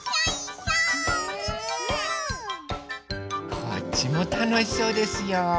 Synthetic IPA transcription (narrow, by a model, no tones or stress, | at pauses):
ka̰t͡ɕimot̪onoçi̥soːd̪e̞sɨjo